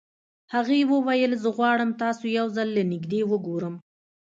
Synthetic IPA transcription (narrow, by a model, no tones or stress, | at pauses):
haɣewəwajəlzəɣwɑɽəmt̪ɑsojawzalːənɪɡd̪ewəɡoɾəm